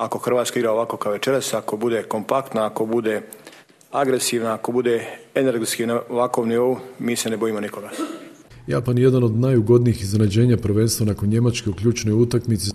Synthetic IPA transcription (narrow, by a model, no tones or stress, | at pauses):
ako̞xrɾ̩ʋaːt̪skaiɡɾaoʋaːkokaʋe̞t͡ʃe̞ɾasako̞bud̪e̞ko̞mpakt̪naako̞bud̪e | aɡɾesiʋnaako̞bud̪eeneɾɡskinʋako̞ʋniʋoumiːsene̞bo̞jimonikoɡas | japanje̞d̪ano̞d̪najuɡo̞d̪niixiznenad͡ʑe̞ːɲapɾ̩ʋe̞ːnst̪ʋanako̞nɲe̞mat͡ʃke̞ukʎʲuːt͡ʃno̞jut̪akmit̪si